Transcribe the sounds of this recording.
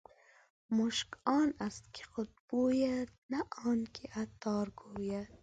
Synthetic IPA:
moʃkɑːnast̪̚kʲʰi̥χʊd̪̚b̥oːjad̪naʔɑːnkʲʰiʔat̪ːɑːɾɡoːjat̪

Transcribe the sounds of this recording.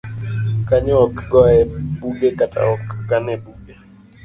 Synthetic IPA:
kaɲɛɔkɡɔɛbuɡekatʰʼa̰ɔkɡanɛbuɡe

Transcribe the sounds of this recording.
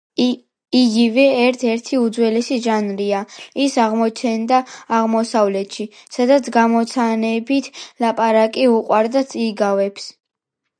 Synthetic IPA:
iɡivɛːɾt̪ʰɛɾt̪ʰiud̪zwɛlɛsiʒanɾiaisaʁmɔt͡ʃʰɛnd̪aːʁmɔsavlɛt̪ʰʃisad̪at̪sʰɡamɔt̪sʰanɛbit̪ʰlapʼaɾakʼiuqʼwaɾd̪at̪sʼiɡavɛps

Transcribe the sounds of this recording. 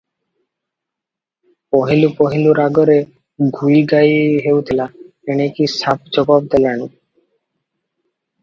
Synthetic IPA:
poɦilupoɦiluɾaɡɔɾe | ɡʱujɡajɦewt̪ʰila | enekisap̚ʰd͡ʑɔbɔb̚d̪elani

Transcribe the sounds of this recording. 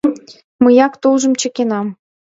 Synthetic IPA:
məjɑkt̪ulʒə̆mt͡ɕə̆kenɑm

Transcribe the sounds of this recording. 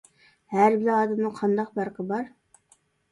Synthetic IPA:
hæɾbɪlɛɑːd̪ɛmnɨqʰɑnd̪ɑq̚bɑɾqʰəbɑɾ

